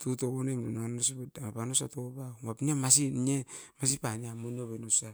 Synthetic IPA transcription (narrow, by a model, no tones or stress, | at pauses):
tutokonemdunaŋanos̬ibedamapanosatopawapnemasiemas̬ipaniamonoβenosa